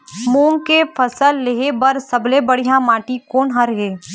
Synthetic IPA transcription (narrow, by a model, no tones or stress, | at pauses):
mõːŋɡkepʰɐsəlːeɦebɐɾsɐblebɐɽijãmaːʈikoːnɦɐɾɦeː